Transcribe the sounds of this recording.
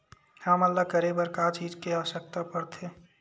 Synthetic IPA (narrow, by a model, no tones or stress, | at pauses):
haməlːakəɾebəɾkaːt͡ʃiːd͡ʒkeaʋəʃək̚t̪apəɾt̪ʰeː